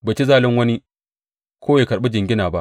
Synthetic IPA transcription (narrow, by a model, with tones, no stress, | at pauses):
baː˨t͡ʃi˦zaː˦˨lɪ˦ŋwɐ˦ni˦ | kʰʷoː˦ja˨kɐ˨ɽɓe˦d͡ʒɪ˨ŋɡʲɪ˦naː˨ba˦ʔ